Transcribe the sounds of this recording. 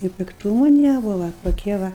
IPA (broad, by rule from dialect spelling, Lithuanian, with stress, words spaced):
ɪ pʲɪkˈtuːmʊ ˈnʲæːbʊʋɐ toːˈkʲiɛ ˈʋɐ